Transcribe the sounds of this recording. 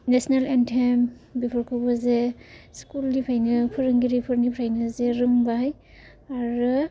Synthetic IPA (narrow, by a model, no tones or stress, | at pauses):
nesɔnalentʰembipʰɔɾkʰɯbɔzeskuldipʰajnɯpʰɯɾɯŋɡiɾipʰɯɾnipʰɾajnɯzeɾɯŋbaɦaj | aɾɯ